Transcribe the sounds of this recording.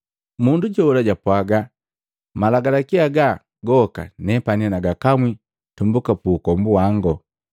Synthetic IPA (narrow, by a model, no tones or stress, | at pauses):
munduɟɔulaɟapwaɡa | malaɡalakiaɡa | ɡɔka̰nɛpanianaɡakamwi | tumbukapuːkɔmbuwaŋɡɔ